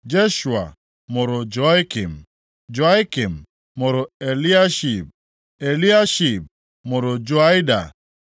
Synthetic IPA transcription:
d͡ʒe˦ʃu˨a̰˨ | mo˨ɾo˨d͡ʒɔ˨˦i˦ki˨m | d͡ʒɔ˨a˦i˦ki˨m | mo˨ɾɔ˨e˨li˦a˦ʃi˨p̚ | e˨li˦a˦ʃi˨p̚ | mo˨ɾo˨d͡ʒɔ˦a˦jda̰˨

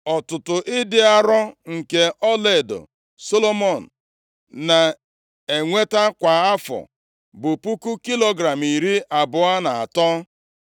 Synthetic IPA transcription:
ɔ˨tʊ˨tʊ˨ʔɪ˦dɪ˦a˦ɾɔ˦ŋ̩˨ke˦ʔɔ˦le˦˨do̰˨ | so˦lo˦mɔ˨n̩˨ | na˨ | e˨ŋʷe˦ta˦kʷa˨a˦fɔ̰˨ | bʊ˨pu˦ku˦ki˦lo˦ɡɾa˨mi˨ɾi˦ʔa˨bʊ˨a˦na˨a̰˨tɔ˦

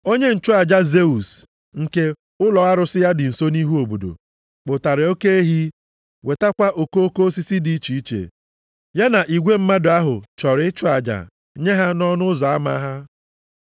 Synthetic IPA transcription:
o˦ɲe˦n̩˨t͡ʃʊ˦a˨d͡ʒa˦ze˦u˨s | ŋ̩˨ke˦ | ʊ˦lɔ˨a˦ɾʊ˨sɪ˦ja˦dɪ˨n̩˨so˦ni˦ɦu˦o˨bo˨do̰˨ | k͡pʊ˨ta˨ɾe˨o˦ke˦e˦ɦi˦ | we˨ta˦kʷa˦ʔo˨ko˦o˦ko˦o˦si˦si˦di˦i˦t͡ʃi˨i˦t͡ʃḛ˨ | ja˦na˨ʔi˨ɡʷe˦m̩˦ma˦dʊ˨a˦ɦʊ˨t͡ʃɔ˨ɾɪ˦ɪ˦t͡ʃʊ˦a˨d͡ʒa̰˨ | ɲe˦ɦa˦nɔ˦nʊ˦zɔ˨a˦ma̰˦ɦa˦

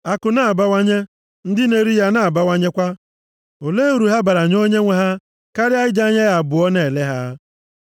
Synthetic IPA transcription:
a˨kʊ˨na˨a˨ba˦wa˦ɲe˦ | n̩˦dɪ˦ne˦ɾi˦ja˦na˨a˨ba˦wa˦ɲe˦kʷa˦ | o˨le˦u˨ɾu˨ɦa˦ba˨ɾa˨ɲ˦o˦ɲe˦ŋʷe˨ɦa˦ | ka˦ɾɪ˦a˦ɪ˦d͡ʒa˦ɲe˦ja˨bʊ˨ɔ˦ne˨le˦ɦa˦

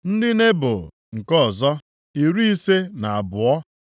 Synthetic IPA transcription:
n̩˦dɪ˦ne˦bʊ̰˨ | ŋ̩˨kɔ˦˨zɔ˦ | i˨ɾu˦i˦se˦na˨a˨bʊ˨ɔ˦

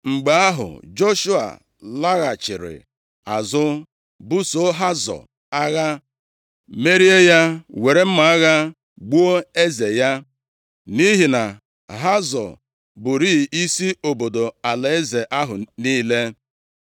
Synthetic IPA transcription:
ŋ͡m̩˨ɡ͡ba˨˦a˦ɦʊ̰˨d͡ʒo˦ʃu˦a̰˨ | la˦ɣa˨t͡ʃɪ˨ɾɪ̰˨ | a˨zʊ˦ | bʊ˦so˨˦ɦa˦zɔ̰˨ | a˦ɣa˦ | me˦ɾi˦e˦ja˦we˨ɾe˦m̩˦ma˨a˦ɣa˦ | ɡ͡bu˦o˦e˦ze˨ja˦ | ni˦ɦi˨na˨ | ɦa˦zɔ̰˨ | bʊ˨ɾiː˦˨ʔi˦si˦o˨bo˨do˨a˨le˨e˦ze˨ʔa˦ɦʊ˨niː˦le˦

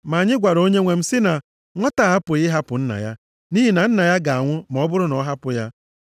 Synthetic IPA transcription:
ma˨a˨ɲɪ˦ɡʷa˨ɾo˦ɲe˦ŋʷe˨m̩˦sɪ˦na˨ | ŋʷɔ˦ta˨ɦa˦pʊ˨ɣɪ˦ɦa˦pʊ˨n̩˦na̰˨ja˦ | ni˦ɦi˨na˨n̩˦na˨ja˦ɡa˨a˨ŋʷʊ˦m˨ɔ˦bʊ˦ɾʊ˦nɔ˨˦ɦa˦pʊ˦ja˦

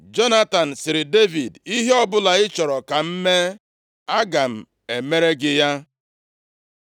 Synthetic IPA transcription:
d͡ʒɔ˦na˦ta˨n̩˨sɪ˨ɾɪ˨de˦vi˨di˦ɦe˦ɔ˦bʊ˦la˨ɪ˦t͡ʃɔ˨ɾɔ˨ka˨m̩˦me˦ | a˦ɡa˨m̩˨ | e˨me˦ɾe˦ɡɪ˦ja˦

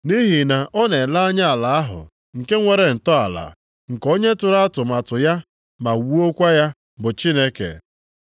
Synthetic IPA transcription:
ni˦ɦi˨na˨ʔɔ˦ne˨la˦a˦ɲa˦a˨la˨a˦ɦʊ̰˨ | ŋ̩˨ke˦ŋʷe˨ɾe˨n̩˨tɔ˦a˨la̰˨ | ŋ̩˨ko˦ɲe˦tʊ˨ɾa˦a˦tʊ˨ma˨tʊ˨ja˦ | ma˨wu˦o˦kʷa˦ja˦ | bʊ˨t͡ʃi˦ne˦kḛ˨

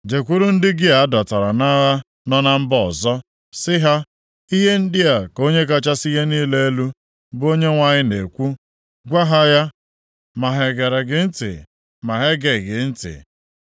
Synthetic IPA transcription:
d͡ʒe˨kʷu˦ɾu˦n̩˦dɪ˦ɡɪ˦a˨a˦dɔ˨ta˨ɾa˨na˦ɣa˦ | nɔ˦na˦m̩˦bɔ˦˨ɔ˨zɔ˦ | sɪ˦ɦa˦ | i˦ɦe˦n̩˦dɪ˦a˨ko˦ɲe˦k̬a˦t͡ʃa˦si˦ɦe˦niː˦le˦e˦lu˦ | bo˦ɲe˦ŋʷa˦ɲɪ˦ne˨kʷu˦ | ɡʷa˦ɦa˦ja˦ | ma˨ɦe˨ɡe˨ɾe˨ɡɪ˦n̩˦tɪ̰˨ | ma˨ɦe˦ɡe˨ɡɪ˨n̩˦tɪ̰˨

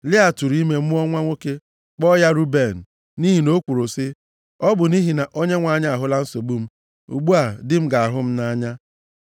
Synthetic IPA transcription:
lɪ˦a˨tu˨ɾi˦me˦m̩˦ɔ˦ŋʷa˦ŋʷo˦ke˦ | k͡pɔ˦ja˦ɾu˦be˨n̩˨ | ni˦ɦi˨no˦kʷu˨ɾo˨sɪ˦ | ɔ˦bʊ˨ni˦ɦi˨na˨ʔo˦ɲe˦ŋʷa˨ɲa˦a˨ɦʊ˦la˦n̩˦so˨ɡ͡bu˦m̩˦ | ṵ˨ɡ͡bu˦a˨dɪ˦m̩˦ɡa˨a˨ɦʊ˦m̩˦na˦ɲa˦

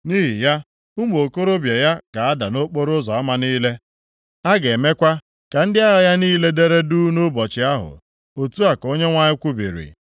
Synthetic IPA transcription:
ni˦ɦḭ˨ja˦ | u˦m˨o˨ko˦ɾo˦bje˨ja˦ka˨a˦da˨no˦k͡po˦ɾʊ˦zɔ˨a˦ma˨niː˦le˦ | a˦ɡe˨me˦kʷa˦ | ka˨n̩˦dɪ˦a˦ɣa˨ja˦niː˦le˦de˦ɾe˦du˦no˦bɔ˨t͡ʃɪ˨˦a˦ɦʊ̰˨ | o˨tu˦a˨ko˦ɲe˦ŋʷa˦ɲɪ˦kʷu˦bḭ˨ɾḭ˨

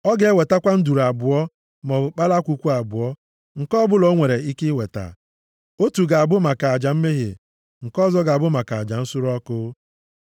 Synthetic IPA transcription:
ɔ˦ɡe˦e˦we˨ta˦kʷa˦n̩˦du˨ɾa˨bʊ˨ɔ˦ | mɔ˨k͡pa˦la˦kʷu˨kʷu˦a˨bʊ˨ɔ˦ | ŋ̩˨kɔ˦bʊ˦lɔ˨˦ŋʷe˨ɾe˨i˦kɪ˦we˨ta̰˨ | o˦tu˨ɡa˨a˨bʊ˦ma˨ka˨a˨d͡ʒa˨m̩˦me˦ɦḛ˨ | ŋ̩˨kɔ˦zɔ˦ɡa˨a˨bʊ˦ma˨ka˨a˨d͡ʒa˨n̩˦sʊ˦ɾɔ˦kʊ˦

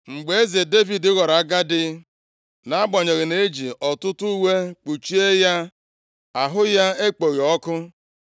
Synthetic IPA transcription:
ŋ͡m̩˨ɡ͡be˨e˦ze˨de˦vi˨dɪ˦ɣɔ˨ɾa˨a˦ɡa˦dɪ˦ | na˨˦a˦ɡ͡bɔ˨ɲe˨ɣɪ˨ne˦d͡ʒi˨ʔɔ˨tʊ˦tʊ˦u˦we˦k͡pu˨t͡ʃi˦e˦ja˦ | a˨ɦʊ˦ja˦e˦k͡po˨ɣi˨ɔ˦kʊ˦

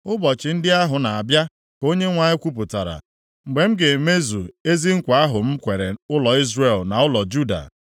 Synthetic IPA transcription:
ʊ˦bɔ˨t͡ʃɪ˨˦n̩˦dɪ˦a˦ɦʊ˨na˨a˨bja˦ | ko˦ɲe˦ŋʷa˨ɲɪ˦kʷu˦p̬ʊ˨ta˨ɾa̰˨ | ŋ͡m̩˨ɡ͡be˨m̩˦ɡe˨me˦zu˨e˦zi˦ŋ̩˦kʷa˨a˦ɦʊ˨m̩˦kʷe˨ɾe˨ʊ˦lɔ˨i˦zre˨lna˨ʊ˦lɔ˨d͡ʒu˦da̰˨

